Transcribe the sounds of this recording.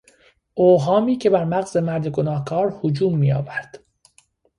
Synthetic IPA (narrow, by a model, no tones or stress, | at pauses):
ʔoːɦɒːmiːcʰe̞bæɾmæɣzemæɾd̪eɡonɒːhkʰɒːɾhod͡ʒuːmːiːjɒːvæɾd̪̥